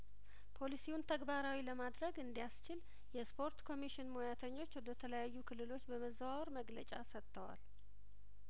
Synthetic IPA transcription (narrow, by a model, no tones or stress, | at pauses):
pʰo̞lisiwunt̪ʰəɡbaɾawiləmad̪ɾəɡɨnd̪ijast͡ʃɪl | jɛspʰo̞ɾt̪kʰo̞miʃɪnmojat̪ʰəɲːo̞t͡ʃːwɔd̪ət̪ʰələjajːukʰɨlːɨlo̞t͡ʃːbəməzwaɾməɡlət͡ʃʼasət̪ʰːəwa̰l